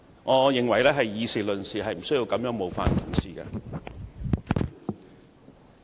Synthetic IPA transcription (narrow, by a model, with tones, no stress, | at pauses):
ŋɔː˨˧jɪ˨ŋwɐ˨˩jlɛː˥ɦɐ˨jːiː˨˧siː˨lɵ˨nsiː˨hɐ˨jm̩˨˩sɵ˥ɥji˧wkɐ˨˥mjœː˨˥ŋmo˨˧wfa̰ː˧n˨t̪ʰʊ˨˩ŋsiː˨kɛ̰˧